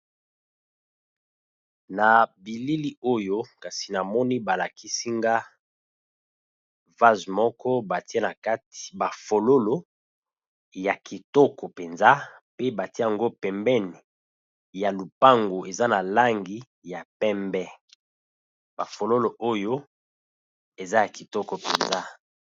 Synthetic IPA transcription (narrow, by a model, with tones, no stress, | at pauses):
na˨bi˨li˦li˦o˦jo˦ka˨si˨na˨mɔ˦ni˦ba˨la˨kʰi˦si˦ŋɡa˦ | va˦zmɔ˦kɔ˦ba˨ti˦e˦na˨ka˦ti̥˨ba˨fo˨lo˦lo˨ | ja˨ki˨tɔ˦kɔ˨pe˨nza˦pe˦ba˨ti˦e˦a˨ŋɡo˦pɛ˨mbɛ˦ni˨ | ja˨lu˨pa˦ŋɡo˨e˨za˦na˨la˦ŋɡi˦ | ja˨pɛ˦mbɛ˦ | ba˨fo˨lo˦lo˨ʔo˦jo˦ | e˨za˦ja˨ki˨tɔ˦kɔ˨pe˨nza˦